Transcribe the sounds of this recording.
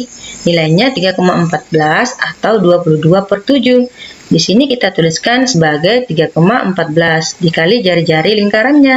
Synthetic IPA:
nilajɲat̪iɡakomaəmpat̪̚bəlasat̪awduapuluhduapərt̪ud͡ʒudisinikit̪at̪uliskansəbaɡajt̪iɡakomaʔə̰mpat̪̚bəlasdikalid͡ʒaɾid͡ʒaɾiliŋkaɾanɲa

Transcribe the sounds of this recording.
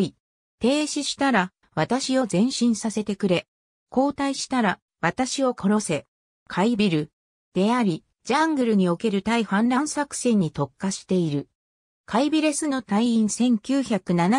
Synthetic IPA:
i | t̪e̞ːɕiɕi̥t̪aɾa | βat̪aɕio̞zẽ̞ɰ̃ɕĩɰ̃sase̞t̪e̞kɯ̟ɾe̞ | ko̞ːt̪aiɕi̥t̪aɾa | βat̪aɕio̞kʰo̞ɾo̞se̞ | kʰaibʲiɾɯ̟ | d̪̥e̞aɾʲi | d͡ʑãŋɡɯ̟ɾɯ̟ɲ̟io̞ke̞ɾɯ̟t̪aiɸãnɾãɰ̃sakɯ̟̥sẽ̞ɲ̟ːit̪o̞kːaɕi̥t̪e̞iɾɯ̟ | kʰaibʲiɾe̞sɨno̞t̪aiĩɰ̃sẽ̞ŋkʲɨːçakɯ̟nana

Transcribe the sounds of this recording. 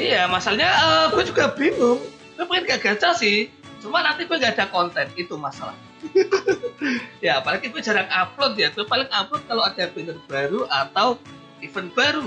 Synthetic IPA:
ijamasalɲaʔəːb̥uɛd͡ʒuɡabinʊm | b̥uɛpəŋɪnɡaʔɡ̥at͡ʃasɪh | t͡ʃumanant̪ib̥uɛŋɡaːdakɔnt̪ɛnit̪umasala̰hɲa | jaːpalaɡibuɛd͡ʒaɾaŋaplʊt̪̚jaɡ̥uapalɪŋaplʊt̪̚kalawadab̥inərb̥aɾuʔat̪aw | ifənb̥aɾu

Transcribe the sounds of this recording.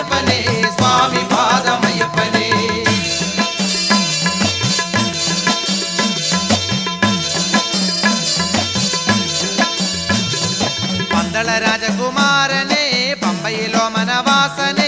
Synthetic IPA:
pːɐnesʋaːmipaːd̪ɐmɐjɐpːɐneː | pɐnd̪ɐɭɐɾaːd͡ʒɐkumaːɾɐneːpɐmbɐjiloːmɐnɐʋaːsɐne

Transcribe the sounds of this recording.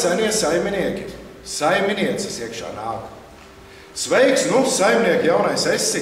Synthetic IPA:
sanʲiɛsajmʲiniɛkʲi | sajminʲiɛk̪sisiɛəkʃa̰ːnaːk | svɛjksnusajmʲniɛkʲijawnajsesːi

